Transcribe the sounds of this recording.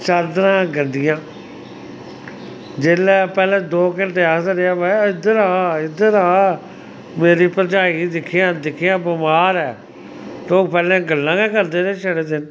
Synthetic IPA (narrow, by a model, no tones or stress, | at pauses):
t͡ʃəɾd̪ɾãːɡənd̪ɪjãː | d͡ʒeːlɛːpɛːlẽːd̪oːkɪnʈeːaːsəɾeaːbɛːɪd̪əɾaːɪd̪əɾaː | meːɾiːpət͡ʃaːiːd̪ɪkʰːijãːd̪ɪkʰɪjãːbɪmaːɾɛː | t̪oːpɛːlẽːɡəlːãːɡɛ̃ːkəɾd̪eːɾeːʃʰəɽeːd̪ɪn